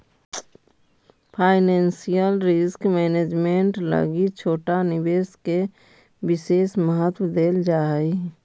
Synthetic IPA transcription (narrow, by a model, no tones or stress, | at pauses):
pʰaːɪnẽːnsijəlɾɪskmɛːneːd͡ʒmẽɳʈlə̰ɡit͡ʃʰoːʈanɪbeːske | bɪseːsməɦət̪wəd̪eːld͡ʒaːi